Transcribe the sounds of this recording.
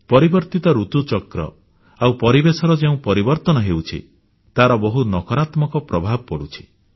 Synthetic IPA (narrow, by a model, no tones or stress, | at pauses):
pɔɾibɔɾt̪it̪ɔɾut̪ut͡ʃɔkɾɔ̰ | awpɔɾibesɔɾɔd͡ʒeũpɔɾibɔɾt̪ɔnɔɦewt͡ʃʰḭ | t̪aɾɔbɔɦunɔkɔɾat̪mɔkɔpɾɔbʱabɔpɔɽut͡ʃʰi̥